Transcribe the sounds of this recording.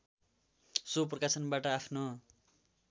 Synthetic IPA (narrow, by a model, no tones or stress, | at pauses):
soprʌkasʌnbaʈʌapʰno